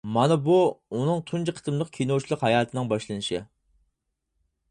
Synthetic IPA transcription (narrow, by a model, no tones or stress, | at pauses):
mɑnɨbuunɨŋt̪ʰunt͡ʃʰiqʰə̥t̪ɨmlˠəq̚kʲʰijnowt͡ʃʰilˠəqɦɑjɑːt̪ʰɨnɨŋbɑʃlˠɨnɨʃɪ